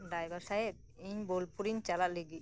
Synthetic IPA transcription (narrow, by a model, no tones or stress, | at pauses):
ɖajbaɾsajet̪̚ | iɲbolpuɾiɲt͡ʃalat̪̚leɡi